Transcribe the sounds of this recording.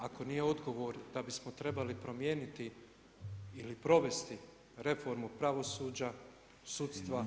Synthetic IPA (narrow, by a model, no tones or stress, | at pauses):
ako̞nije̞o̞d̪ɡo̞ʋo̞ːɾd̪abismo̞t̪ɾe̞balipɾo̞mje̞ːnit̪i | ilipɾo̞ʋe̞st̪i | ɾe̞fo̞ɾmupɾaʋo̞suːd͡ʑa | sut̪st̪ʋa